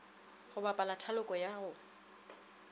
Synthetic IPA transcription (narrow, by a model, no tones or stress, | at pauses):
χʊbapʼalatʰalʊkʼɔjaʊ